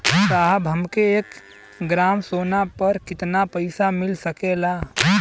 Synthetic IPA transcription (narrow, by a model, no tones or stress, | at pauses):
t̪aːɦəbɦɐmkeeːk | ɡɾaːmsoːnapəɾkɪt̪napəɪsamɪlsəkeːlaː